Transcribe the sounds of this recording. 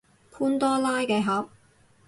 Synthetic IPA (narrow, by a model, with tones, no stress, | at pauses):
pʰuː˥nt̪ɔː˥laː˥jkɛː˧ɦɐ˨˥p̚